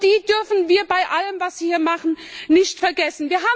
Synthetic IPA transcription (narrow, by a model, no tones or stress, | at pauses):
d̥iːd̥ʏɐfn̩viːɐbaɪʔaləmvasv̥iːhiːɐmaχn̩ | nɪçtfɛɐɡɛsn̩viːɐɦaː